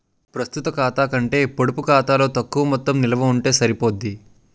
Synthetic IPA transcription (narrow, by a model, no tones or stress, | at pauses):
pɾɐst̪ut̪ɐkaːt̪aːkɐɳʈe̞ːpoɽupukaːt̪aːlo̞ːt̪ɐkːuʋɐmɔt̪ːɐmnilɐʋɐuɳʈe̞ːsɐɾipo̞ːd̪ːi